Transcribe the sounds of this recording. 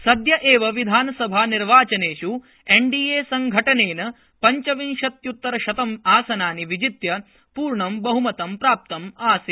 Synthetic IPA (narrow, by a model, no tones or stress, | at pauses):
sɐd̪jɐʔeːʋɐʋid̪ʱaːnɐsɐbʱaːniɾʋaːt͡ʃɐneːʂu | eɳɖiːeːsɐŋɡʱɐʈɐneːnɐ | pɐɲt͡ʃɐʋinʃɐt̪jut̪ːɐɾɐʃɐt̪ɐmaːsɐnaːniʋid͡ʒit̪jɐ | puːɾɳɐmbɐɦumɐt̪ɐmpɾaːp̚t̪ɐmaːsi